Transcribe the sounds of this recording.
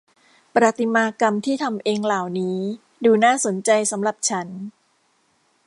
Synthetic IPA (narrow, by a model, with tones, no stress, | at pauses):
pɾa˨˧˩t̪i˧maː˧ka˧mt̪ʰiː˥˩t̪ʰa˧mʔeː˧ŋlaː˨˩wniː˦˥ | duː˧naː˥˩so˨˩˦nt͡ɕa˧jsa˩˦mɾa˨˩p̚t͡ɕʰa˦˥n